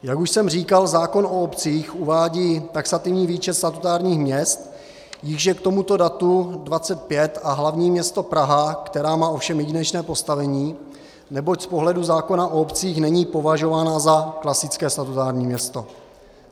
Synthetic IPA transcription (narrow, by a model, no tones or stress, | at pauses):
jakuʃsɛmr̝iːkalzaːko̞noopt͡siːxʔuvaːɟiːt̪aksat̪ɪvɲiːviːt͡ʃɛt̪st̪at̪ut̪aːɾɲiːxmɲɛst̪ | jɪɣʒjɛkt̪o̞mut̪o̞dat̪udvat͡sɛt̪̚pjɛt̪aɦlavɲiːmɲɛst̪o̞pɾaɦakt̪ɛɾaːmaːʔo̞fʃɛmjɛɟinɛt͡ʃnɛːpo̞st̪avɛɲiː | nɛbo̞cspo̞ɦlɛduzaːko̞naʔoopt͡siːxnɛɲiːpo̞vaʒo̞vaːnazaklasɪt͡skɛːst̪at̪ut̪aːɾɲiːmɲɛst̪o̞